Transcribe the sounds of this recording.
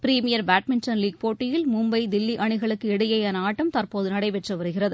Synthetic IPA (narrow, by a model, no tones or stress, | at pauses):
pɪɾiːmɪjɐɾbaːʈ̚mɪnʈɐnliːɡ̚poːʈːɪjɪlmʊmbɐɪd̪ɪlːiʔɐɳɯɣɐɭɯkːɯɛɽɯjɐjaːnɐaːʈːɐmt̪ɐrpoːðɯnɐɽɐɪʋɛʈrɐʋɐɾɯɣɪrɐðɯ